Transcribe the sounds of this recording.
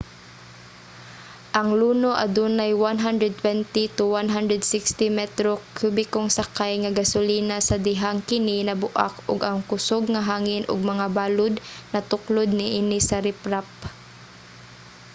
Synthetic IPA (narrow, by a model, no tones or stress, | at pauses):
ʔɐŋluːnoʔɐd̪uːnajwanɦand̪ɾɛd̪̚t̪wɛnt̪it̪ʊwanɦand̪ɾɛd̪sɪkst̪ɪmɛt̪ɾokjubɪkoŋsakajŋaɡasʊliːnasɐd̪ɪɦaŋkɪnɪnɐbʊʔa̰kʊɡaŋkʊsoɡŋaɦaːŋɪnʔʊ̰ɡ̚mɐŋabaːlʊd̪nɐt̪ʊklʊd̪̚nɪʔiːnɪsɐɾɪpɾap̚